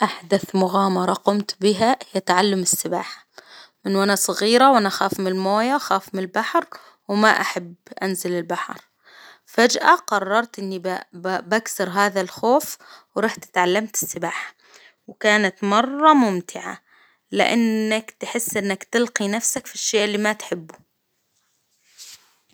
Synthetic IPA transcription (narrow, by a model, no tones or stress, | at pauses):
ʔaħd̪aθmʊɣaːmɑɾˤɑqʊmt̪bɪɦahjat̪aʕalːamɪsːɪbaːħḁmɪnwʔanasˤɨɣiːɾawʔanaxaːfmɪɪlmoːjaxaːfmɪɪlbaħɾ | wmaʔaħabʔanzɪlɪlbaħɑɾˤ | fad͡ʒʔaqɑrˤːɑɾˤt̪ʔɪnːibaksɑɾˤɦaːðalxoːfwɾˤɑːħt̪ɪ̥t̪ʕalːamt̪ɪ̥sːɪbaːħḁ | wkaːnat̪mɑrˤːɑmʊmt̪ʰɪʕa̰ | lɪ̰ʔanːakt̪ħɪsːʔɪnːakt̪ɪlqinafsakfiʃːeːʔɪlːiːmat̪ħɪbːu